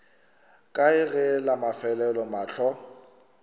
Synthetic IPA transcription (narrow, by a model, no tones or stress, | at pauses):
kʼaɪɣɛlamafɛlɛlɔmaːɬɔ